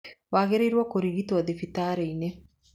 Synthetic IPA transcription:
ʋaːɡeɾiɾuʋɐkuɾiɡit̪uɐd̪efit̪aːɾeine

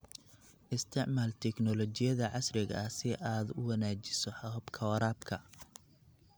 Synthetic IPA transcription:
ʔɪst̪ʰɪʕmaːlt̪ʰɛknɔlɔt͡ʃɪjɐðɐʕɑsrɪɣɐɐsɪʔaːd̪ʊ̰wɑnaːt͡ʃɪsɔħɐʊbkʰɐwɐɾaːbkʰɐ

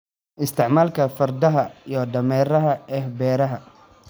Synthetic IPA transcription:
ʔɪst̪ʰɪʕmaːlkʰɐfɐrd̪ɐɦɐijɔɖɐmɛːɾɐɦɐɛːhbɛːɾɐɦɐ

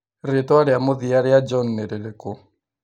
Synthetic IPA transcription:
ɾetwaɾeamoðiaɾead͡ʒɔnːeɾeɾeko

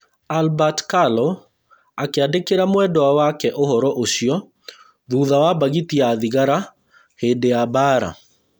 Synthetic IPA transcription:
albatkalɔ | akeadekeɾamwɛdɔawakɛʔohɔɾɔʔoɕiɔ | ðuðawabaɣitiaðiɣaɾa | hedeabaːɾa̰

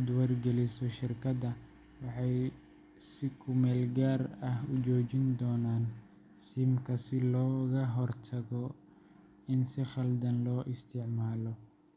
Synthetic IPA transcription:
d̪wɐrɡɛlɪsɔʃɪrkʰɐd̪ɐ | wɑħɑj | sɪkʰʊmɛːlɡaːrɐɦʊt͡ʃɔːt͡ʃɪnd̪ɔːnaːn | siːmkʰɐsɪlɔːɣɐɦɔrt̪ʰɐɣɔ | ɪnsɪχɐld̪ɐnlɔːʔɪst̪ʰɪʕmaːlɔ

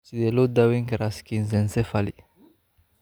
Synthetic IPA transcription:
sid̪elod̪awiŋkeɾaskinzɛnsɛfalḭ

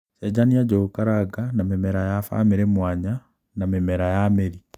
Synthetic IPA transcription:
t͡ʃɛd͡ʑaniad͡ʑokaɾaɡanamɛmɛɾajafa̰meɾemwaɲa | namɛmɛɾajameɾi

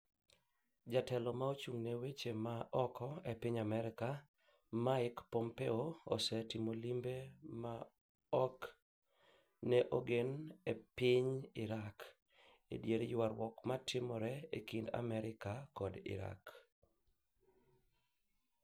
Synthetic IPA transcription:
d͡ʒatɛlɔmaot͡ʃuŋnewet͡ʃemaʔɔkɔepɪɲamɛɾɪka | maɪkpɔmpeoo̰sɛtɪmolimbema | ɔk | nɛʔoɡenepɪɲɪɾak | ḛdjeɾejwaɾwɔkmatɪmɔɾɛekinda̰mɛɾɪkakɔdɪ̰ɾa̰k

